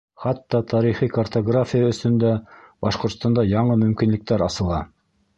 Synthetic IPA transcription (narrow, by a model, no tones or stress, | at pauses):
χɑt̪ːɑt̪ʰɑɾiχikɐrt̪oɡrafʲijaɵ̆sɵ̆nd̪æbɑʃqŏɾt̪st̪ɑnd̪ɑjɑɴɤmɵ̆mkinlɘ̆k̚t̪æɾɑsɤ̆lˠɑ